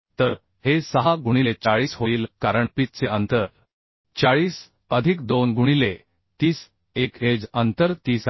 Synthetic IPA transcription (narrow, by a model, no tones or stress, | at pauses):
t̪əɾ | hesəɦaɡuɽ̃ilet͡saɭiːsɦoiːlkaɾəɳpit̪̚t͡seʔənt̪əɾ | t͡ɕaɭiːs | əd̪ʱikd̪onɡuɽ̃ile | t̪iːs | ekɦed͡zənt̪əɾt̪iːs